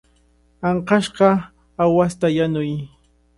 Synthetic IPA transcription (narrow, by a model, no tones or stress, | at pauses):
ɑɴqɑʃɢɑ | awast̪ajanʊj